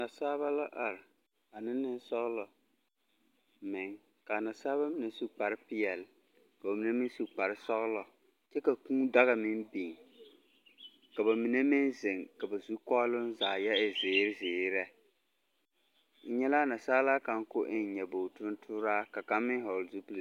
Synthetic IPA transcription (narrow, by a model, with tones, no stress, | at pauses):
na˨saː˦βa˦la˦ʔa˨ɾɪ˨ | a˨nɪ˦nːɪ˦n˦sɔ˦ɣlɔ˨ | mɪ˨ŋ | ka˨na˨saː˦βa˦mi˨ne˦su˦k͡pa˨ɾɪ˦pɪ˦jɛ˨l | ka˨ba˨mi˨ne˦mɪ˦n˦su˨k͡pa˨ɾɪ˦sɔ˦ɣlɔ˨ | t͡ʃɛ˦ka˨kũː˦da˦ɣa˨mɪ˦nbi˨ŋ | ka˨ba˨mi˨ne˦mɪ˦nzɪ˨ŋka˨ba˨zu˦kɔ˦lʊ˦n˦zaː˨jɛ˦ɪ˨zɪː˨˦ɾɪ˦zɪː˨˦ɾɛ˦ | ɲɛ˦la˦na˨saː˦laː˦ka˨ŋ˦kʊ˦ʔɪ˦n˨ɲɛ˨bo˨tʊ˦n˦tʰʊː˦ɾaː˦ka˨ka˦mːɪ˦ɦɔ˨lzu˦pu˦l